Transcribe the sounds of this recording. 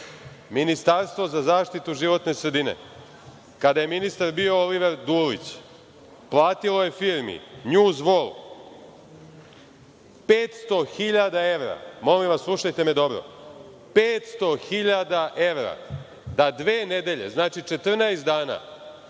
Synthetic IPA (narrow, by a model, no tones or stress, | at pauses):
minist̪aɾst̪vʋo̞zazaːʃt̪it̪uʒiʋo̞t̪ne̞sɾe̞d̪inḛ | kad̪aje̞minist̪aɾbio̞oliʋeɾd̪uːlḭt͡ɕ | plˠaːt̪ilo̞je̞fiːɾmḭɲuːzʋolˠ | peːt̪st̪o̞xiʎad̪ae̞ʋɾa̰mo̞limʋaslˠuʃajt̪e̞me̞d̪o̞bɾo̰ | peːt̪st̪o̞xiʎad̪aʔeʋɾa̰ | d̪ad̪ʋeːned̪e̞ʎe̞̰znaːt͡ʃit͡ʃe̞t̪r̩naest̪d̪aːna̰